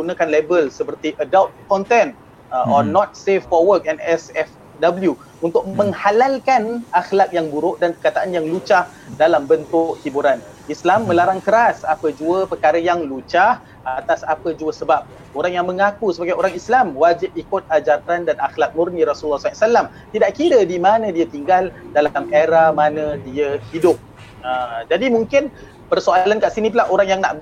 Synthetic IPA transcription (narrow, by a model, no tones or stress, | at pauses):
əɡunəkanlebəlsəpərt̪iʔədawt̪̚kɔnt̪ɛn | ʔɔnɔt̪̚sefːɔwərk̚ɛnɛsɛf | dabəlju | unt̪ʊk̚mə̃ŋhalalkanaxlak̚jaŋbuɾʊʔ̚danpəkat̪aʔanjaŋlut͡ʃah | dalambənt̪ʊʔhibuɾan | islamːə̃laɾaŋkəɾasapəd͡ʒuəpərkaɾəjaŋlut͡ʃah | ʔat̪asapəd͡ʒuəsəbap̚ | ʔoɾaŋjaŋmə̃ŋakusəbaɡajʔoɾaŋislamwad͡ʒɪp̚ikʊt̪̚ad͡ʒat̪ɾandanaxlak̪̚murniɾasulːɔsasalam | t̪idaʔkiɾədimanãdiat̪iŋɡaldalmʔeɾahmanə̃diəhidʊp̚ | əd͡ʒadimuŋkɪn | pərsoalankaʔsinip̬əlahoɾaŋjaŋna̰ʔb